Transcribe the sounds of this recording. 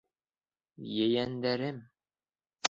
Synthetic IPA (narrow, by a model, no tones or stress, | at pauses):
jɘjænd̪æɾɘm